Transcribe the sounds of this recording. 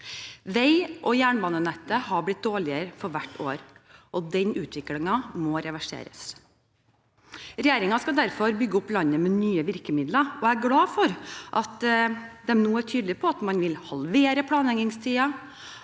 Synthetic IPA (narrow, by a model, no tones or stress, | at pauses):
ʋɛɪʔɔjæːɳbɑːnənɛt̪ːəhɑblɪt̪̚d̪oːɭɪəɾəfɔɾʋæʈːo̰ːɾʔɔd̪ɛnʔʉːt̪ʰʋɪklɪŋɑmɔɾɛʋæʂḛːɾə̰s | ɾɛjeːɾɪŋɑskɑd̪æɾfɔɾbʏɡːəʊplɑɲːəmɛnyːəʋɪɾkəmɪd̪ləɔææɡɽɑːfɔɾʔɑt̪d̪ɛmnuːæʈʰyːd̪lɪpʰɔɑt̪mɑnʋɪlhɑlʋeːɾəpʰlɑːnlɛŋɪŋst̪ʰiːɑ